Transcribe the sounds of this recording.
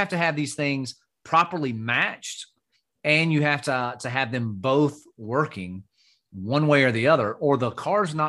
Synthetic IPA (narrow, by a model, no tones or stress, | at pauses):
æftɨɨvðiz̥θɪ̃ŋz̥ | pʰɹ̥ɑpə˞lˠimæt͡ʃt | ɨ̃njɨhæftətʰɨɨvðɨ̃mboʊθ | wɜ˞kɪ̃ŋ | wʌ̃nweɪə˞ðiʌðə˞ʔə˞ðəkʰɑɹznə